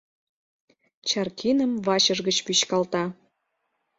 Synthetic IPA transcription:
t͡ɕɑrkinə̆mvɑɕɤ̆ʒɣə̆t͡ɕpyɕkɑlt̪ɑ

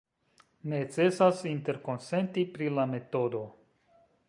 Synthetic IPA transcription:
ne̞t͡se̞sasinte̞ɾko̞nse̞ntipɾilame̞to̞do̞

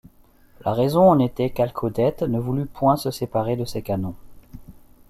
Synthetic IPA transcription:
laʁɛzɔ̃ɑ̃net̪ɛkalkʰod̪ɛt̪nəvulypwɛ̃səsepaʁed̪əsekanɔ̃

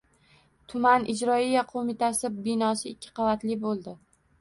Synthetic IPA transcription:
t̪ʰʊmanɪd͡ʒɾɒijaqʰomɪt̪ʰasɪbɪnɒsɪːkʲʰːɪ̥qʰɑvat̪lɪbolˠd̪ɪ

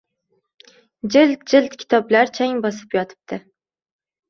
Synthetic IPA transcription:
d͡ʒɪlt̪̚d͡ʒɪlt̪kʲʰɪ̥t̪ʰɒblaɾt͡ʃʰaŋbɒsɪ̥pjɒt̪ʰɪ̥p̚t̪ʰɪ

